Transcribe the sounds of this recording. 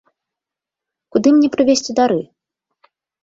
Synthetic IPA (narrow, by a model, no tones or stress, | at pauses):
kud̪ɨmnʲɛpɾɨvʲesʲt͡sʲud̪aɾɨ